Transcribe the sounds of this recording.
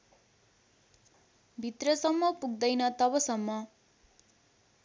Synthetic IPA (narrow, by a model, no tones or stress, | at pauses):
bʱit̪rʌsʌmːʌpuɡ̚d̪ʌjnʌt̪ʌbʌsʌmːʌ